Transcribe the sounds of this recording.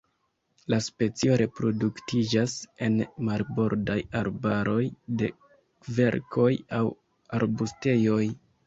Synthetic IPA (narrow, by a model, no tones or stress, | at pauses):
laspe̞t͡sio̞ɾe̞pɾo̞duktid͡ʒase̞nmaɾbo̞ɾdajaɾbaɾo̞jde̞ | kve̞̰ɾkʰo̞jaw | aɾbuste̞jo̞j